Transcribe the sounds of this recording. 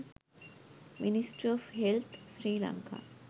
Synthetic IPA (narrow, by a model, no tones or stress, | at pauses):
minisʈɾɔfɦelt̪ʰsɾiːla̰ŋkʰa̰